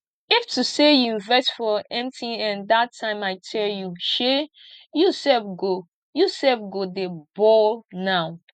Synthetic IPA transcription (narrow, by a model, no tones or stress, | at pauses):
iftʰusejuvɛsfɔɛ̃mtʰiɛ̃ndatʰːãɪ̃maɪtʰɛljuʃe | jusɛlfɡo | jusɛlfɡodebɔlnaʊ